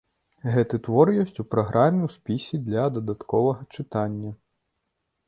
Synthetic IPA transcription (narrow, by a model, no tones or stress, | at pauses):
ɣɛt̪ɨt̪ʋɔɾjɔsʲtʲupɾɐɣɾʔamʲiwspʲisʲid̪lʲɐd̪ɐd̪at̪kɔvɐɣɐt͡ʂɨt̪anʲːɐ